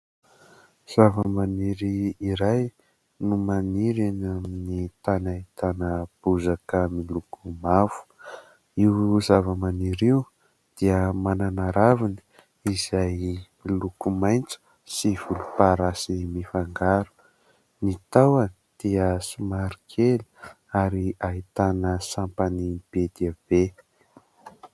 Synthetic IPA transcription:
z̥avəmaniɾiːɾaj | numaniɾenaminit̪anait̪anəb̥uzakəmilukumavu̥ | iwzavəmaniɾiw | d̪̥iəmananaɾavini̥ | izajmilukumajnt͡su̥ | siv̥ulupaɾasimifaŋɡaɾu̥ | nit̪awanid̪̥iəsumaɾikʰeli̥ | aɾiait̪anəsampanib̥ed̪ab̥e

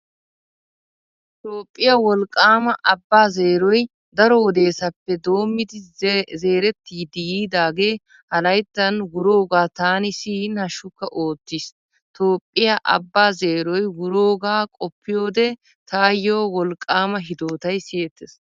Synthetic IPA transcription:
t̪o̞ːpʼːɪjɐwɔlkʼːaːmɐʔɐbːaːzeːɾɔj | d̪ɐɾɔwɔd̪e̞ːsɐpːɛd̪o̞ːmːɪd̪ɪze̞ːɾɛt̪ːiːd̪ɪjiːd̪aːɡe̞ː | hɐlɐjt̪ːɐnwʊɾo̞ːɡaːt̪aːnɪsiːnhɐʃʊkːɐʔo̞ːt̪ːis | t̪o̞ːpʼːɪjaʔɐ̰bːaːze̞ːɾɔjwʊɾoːɡaːkʼɔpːɪjo̞ːd̪ɛ | t̪ʰaːjo̞ːwɔlkʼːaːmɐɦɪd̪o̞ːt̪ɐjsɪet̪ːes

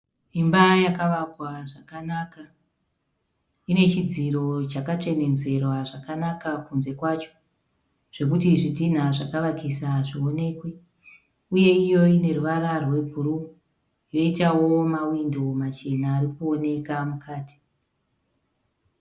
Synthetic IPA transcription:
imbajakaʋakwaʐakanaka | ine̞t͡ʃid͡ziɾo̞t͡ʃakat͡ʂe̞ne̞nd͡ze̞rwaʐakanakakunze̞kwat͡ʃo̥ | ʐ̥e̞k̬utiʐidʱin̤aʐakaʋakisaʐio̞ne̞ːkwe | uje̞ijo̞ine̞ruʋaɾarwe̞bʱuɾu | jo̞itawo̞mawindo̞mat͡ʃe̞naːrikuo̞ne̞kamukʰaːti̥

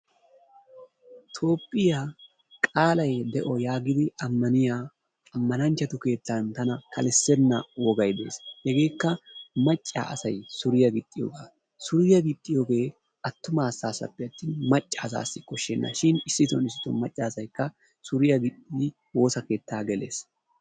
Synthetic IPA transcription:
t̪ʰo̞ːpʼːɪjaː | kʼaːlɐjd̪ɛʔɔjaːɡɪd̪ɪʔɐmːɐnɪjaː | ɐmːɐnɐnt͡ʃːɐt̪ʊke̞ːt̪ːɐnt̪ɐnɐkʰɐlɛsːɛnːɐwɔɡɐjd̪e̞̰ːshɛɡe̞ːkːɐmɐt͡ʃʼːa̰ːʔɐsɐjsʊɾɪjɐɡɪt̪ʼːɪjo̰ːɡaː | sʊɾɪjɐɡɪt̪ʼːɪjo̞ːɡe̞ː | ɐt̪ːʊmaːsaːsɐ̰pːɪɐt̪ːiːnmɐt͡ʃʼːaːsa̰ːsːɪkɔʃːɛnːɐ̰ʃɪnɪsːɪt̪ɔnɪsːɪt̪ɔnmɐt͡ʃʼːaːsɐjkːɐ | sʊɾɪjɐɡɪtʼːɪɪ | wo̞ːsɐke̞ːt̪ːaːɡɛle̞̰ːs

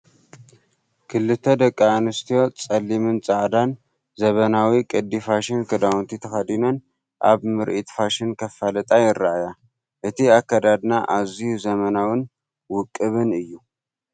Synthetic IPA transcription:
kʰɨlːɨt̪ʰəd̪əkʼːaːnɨst̪ʰio̞t͡sʼɐlːimɨnt͡sʼaʕd̪an | zəβənawikʼɨd̪ːifaʃɪnkʰɨd̪awnt̪ʰit̪ʰəxad̪inon | ʔa̰βmɨɾʔit̪faʃɪnkʰəfalɨt̪ʼajɪɾːaja | ʔɨt̪ʰiakːad̪ad̪naʔazihuzəmənawɨn | wʊkʼːɨβɨnɨjːu

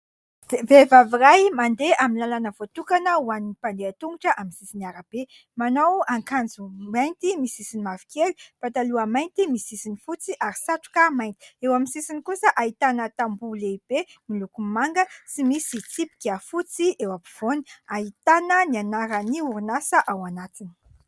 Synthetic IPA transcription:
vevavirajmand̪eʔaminalanəvot̪ukanəuaniipand̪eat̪uŋɡuʈ͡ʂəʔaminsisiniaɾab̥e | manowaŋkand͡zumajnt̪imisisinimavi̥keli̥pat̪aluamajnt̪imisisinifut͡siʔaɾisaʈ͡ʂu̥kamajnt̪i̥ewaminsisinikusəʔaɦit̪anət̪ambuleib̥emilukumaŋɡət͡simisit͡sipi̥kʲafut͡siʔewapiv̥oni̥aɦit̪anənianaɾəniuɾunasəʔawanat̪ini̥

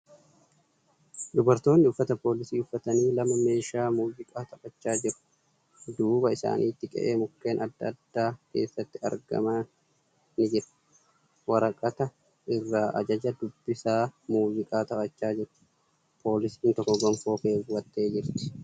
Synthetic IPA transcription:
d̪ʊbɐɾt̪o̞ːnːɪʊfːɐt̪ɐpo̞ːlɪsiːʊfːɐt̪ɐniːlɐmɐme̞ːʃaːmuːd͡ʒɪkʼaːt̪ɐfɐt͡ʃːaːd͡ʒɪɾʊ̥ | d̪uːbɐɪsa̰ːnʔiːt̪ːɪkʼɛ̰ʔe̞ːmʊkːe̞ːnʔɐd̪ːɐd̪ːaːke̞̰ːsːɐt̪ːɪɐ̰ɾɡɐ̰mɐ | nɪd͡ʒɪɾ | wɐɾɐkʼːɐt̪ɐ | ɪrːaːʔɐ̰d͡ʒɐd͡ʒɐd̪ʊbːɪsaːmuːzɪkʼaːt̪ɐpɐt͡ʃːaːd͡ʒɪɾ | pʰo̞ːlɪsi̥ːnt̪ɔkːɔɡɐmfo̞ːke̞ːwɐt̪ʼːe̞ːd͡ʒɪɾt̪ɪ̥

